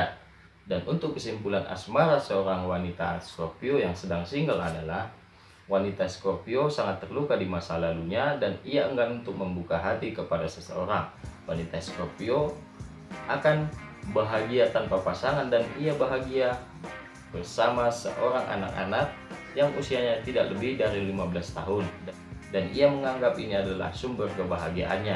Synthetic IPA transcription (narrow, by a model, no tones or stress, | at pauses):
danunt̪ʊkːəsimpulanʔa̰smaɾasəoɾaŋwanit̪askorpiojaŋsədaŋsiŋɡala̰dalah | wanit̪askorpiosaŋat̪ːərlukadimasalaluɲadaniaəŋɡanunt̪ʊk̚məmbukaɦat̪ikəpadasəsə̰oɾaŋwanit̪askorpio | akanbaɦaɡiat̪anpapasaŋandaniabaɦaɡia | b̥ərsamasə̰ʔoɾaŋʔa̰na̰ka̰nak̚jaŋusiaɲat̪idaʔləbɪhdaɾilimabəlast̪a̰ɦʊn | daniaməŋaŋɡapiniadala̰hsumbərkəbaɦaɡia̰ʔa̰nɲa